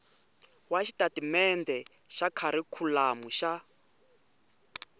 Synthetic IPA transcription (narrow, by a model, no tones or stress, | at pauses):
waʃi̥tatimɛndɛ | ʃakʰaɾikʰulamuʃa